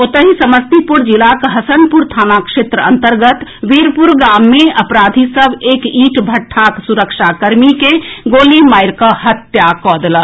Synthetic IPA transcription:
ot̪əɦisəməst̪ipuɾd͡ʒilakɦəsənpuɾt̪ʰaːnakʃet̪ɾəə̰nt̪əɾɡət̪ʋiɾpuɾɡamːeəpɾad̪ʱisəbeːkiːʈbʱəʈʰːak̪suɾəkʃakəɾmikeɡoːlimajɾkəɦət̪jakɔd̪lə

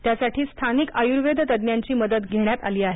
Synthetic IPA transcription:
t̪jasaʈʰiːst̪ʰanikəjuɾʋed̪ʱət̪əd̪njaɲt͡ɕiːməd̪ət̪ɡʱeɽ̃jat̪a̰liːaɦe

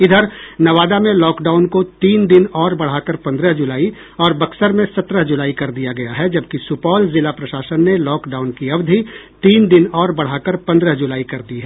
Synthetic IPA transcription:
ɪd̪ʱəɾnɐʋaːd̪amẽlɔːkɖaːʊnkot̪iːnd̪ɪnɔːɾbɐɽ̤akəɾpɐ̃nd̪ɾəɦd͡ʒʊlaːi | ɔːɾbɐksəɾmẽsɐt̪ɾəɦd͡ʒʊlaːikɐɾd̪ijaɡɐjaɦɛd͡ʒɐb̚kisʊpɔːlzɪlapɾɐʃaːsənːelɔːkɖaːʊnkiɐʋd̪ʱi | t̪iːnd̪ɪnɔːɾbɐɽ̤akəɾpɐ̃nd̪ɾəɦd͡ʒʊlaːikɐɾd̪iɦɛː

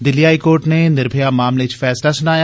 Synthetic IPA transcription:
d̪ɪliːɦaːikoːɾʈneːnɪɾbʱejaːmaːmlet͡ʃfʰɛːslaːsʊnaːja

